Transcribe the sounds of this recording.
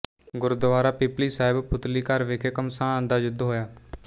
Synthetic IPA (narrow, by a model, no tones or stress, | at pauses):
ɡʊɾd̪əʋaːɾaːpɪpliːsaːɪbpʰʊt̪liːkəɾʋeːkʰeːkəmsãːə̃nd̪aːd͡ʒʊd̪ɦoːjaː